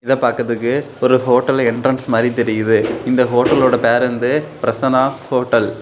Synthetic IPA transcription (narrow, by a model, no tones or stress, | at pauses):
ɪðɐpaːɾkɐðɯkːɯ | ɔɾɯɦoːʈːɐlɛɳɖrɾɐnsmaːɾit̪ɛɾɪjɯðɯɪnd̪ɐɦoːʈːɐloːɽɐpeːɾɐnd̪ɯpɪɾɐsɐnaːhoːʈːɐl